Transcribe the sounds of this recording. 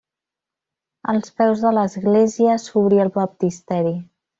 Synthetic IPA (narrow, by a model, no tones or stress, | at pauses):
ə̰lˠspɛwzðələzɣleziəsuβɾiəlˠβəp̚t̪ist̪ɛɾi